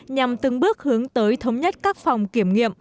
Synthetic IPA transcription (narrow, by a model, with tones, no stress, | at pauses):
ɲa˨˩mt̪ɨ˨˧˩ŋɓɨ˦˥ək̚hɨ˨˦əŋt̪əː˨˦jt̪ʰə˨˦wŋ͡mɲə˦˥t̚kaː˦˥k̚fa˨˩wŋ͡mki˧˩əmŋḭ˧˨əm